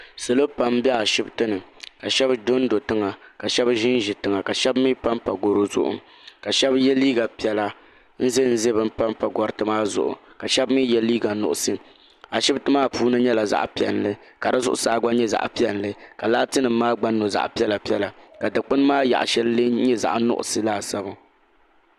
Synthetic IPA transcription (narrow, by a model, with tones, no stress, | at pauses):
sɨ˨lo˦pa˨˦mbɛ˦a˨ʃɪ˦btɨ˦nɨ˨ka˨ʃɛ˦bdo˦n˦do˨tɨ˦ŋa˨ka˨ʃɛ˦bʒɪ˦n˦ʒɪ˨tɨ˨ŋa˨ka˨ʃɛ˦bmiː˦pa˦mpa˨ɡo˨ɾo˦zʊ̰˦ʔʊ̰˨ | ka˨ʃɛ˦bjɛ˦liː˦ɡa˨pi˨ɛ˨la˦ | n̩˦ze˦n̩˦ze˦bɨ˦m˦pa˦mpa˨ɡɔ˨ɾɨ˨tɨ˦maː˦zʊ̰˨ʔʊ̰˨ka˨ʃɛ˦bmiː˦jɛ˦liː˦ɡa˨nʊ˨ʔʊ˨sɨ˦ | a˨ʃɪ˦btɨ˦maː˦puː˦nɨ˦ɲɛ˦la˨za̰˨ʔpi˨ɛ̰˨nlɨ˦ | ka˨dɨ˦zʊ̰˦ʔʊ̰˨saː˨˦ɡa˦ɲɛ˦za̰˨ʔpi˦ɛ˨n˨lɨ˦ka˨laː˦tɨ˦nɨ˨mː˦aː˦ɡ͡ba˦nːo˨za̰˨ʔpi˦ɛ˦la˨pi˦ɛ˦la˨ka˨dɨ˨k͡pɨ˦n˦maː˦ja̰˨ʔʃɛ˦llɨ˦ɲɛ˦za̰˨ʔnʊ̰˦ʔʊ̰˨sɨ˦laː˦˨sa˦ba˦